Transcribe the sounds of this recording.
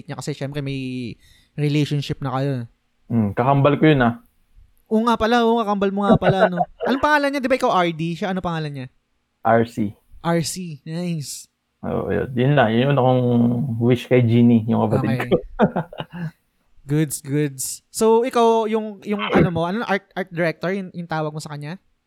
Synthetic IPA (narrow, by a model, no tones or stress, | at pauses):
t̪̚ɲakɐsɛʃɛmpɾɛmɐj | ɾɪlejʃonʃɪp̚nɐkɐjo̞ | m̩kɐkɐmbɐlkojʊna | ʔoŋapɐlaʔoŋkɐkɐmbɐlmoŋapɐlaʔnoʔɐnopɐŋaːlɐnɲad̪ɪbaʔɪkawʔaɹd̪iʃaʔɐnopɐŋaːlɐnɲa | ʔaɹsi | ʔaɹsinajs | ʔo̰ʔjo̰njʊnlɐjʊnʊnɐkoŋwiʃkɐjd͡ʒiːnijʊŋkɐbɐt̪ɪd̪ko | ɡʊd̪sɡʊd̪sːowʔɪkawjʊŋjʊŋʔɐnomo̞ʔɐnoʔaɹt̪̚ʔaɹt̪̚d̪ɛɾɛk̚t̪oɹjʊŋjʊŋt̪aːwɐɡ̚mosɐkɐɲɲa